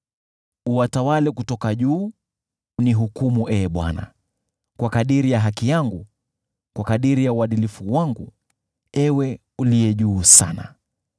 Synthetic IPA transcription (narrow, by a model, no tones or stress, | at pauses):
uwatawalɛkutɔkaʄuː | niɦukumuʔɛːɓwa̰na̰ | kwakaɗiɾijaɦakijaŋɡu | kwakaɗiɾijauwaɗilifuwaŋɡu | ɛwɛ | ulijɛʄuːsa̰na̰